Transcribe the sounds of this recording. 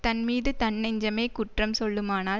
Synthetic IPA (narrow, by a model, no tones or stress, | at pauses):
t̪ɐnmiːðɯt̪ɐnːɛɲd͡ʒɐmeːkʊʈrɐmsɔɭːɯmaːnaː